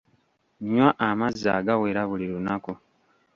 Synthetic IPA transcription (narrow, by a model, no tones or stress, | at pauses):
ɲwaʔamaza̰ɡaweːɾaβuliɾunako